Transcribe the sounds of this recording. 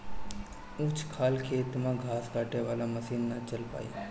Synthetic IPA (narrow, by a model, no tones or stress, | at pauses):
ut͡ʃʰkʰaːlkʰet̪mãɡʱaːskaːʈeʋaːlaməsiːnːat͡ʃəlpa̰ːjḭ